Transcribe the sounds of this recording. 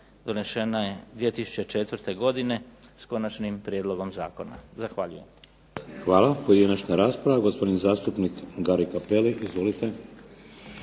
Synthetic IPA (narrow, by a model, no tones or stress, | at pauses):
d̪o̞ne̞ʃenaje̞d̪ʋije̞t̪isu̥t͡ɕe̞t͡ʃet̪ʋɾt̪e̞ɡo̞d̪ine̞sko̞nat͡ʃnimpɾjed̪lˠo̞ɡo̞mza̰ːko̞na̰zaxʋaːʎuje̞m | xʋaːlˠapojed̪inat͡ʃnaɾaːspɾaʋaɡospod̪inzaːst̪upnikɡaɾikapeliʔizʋo̞lit̪e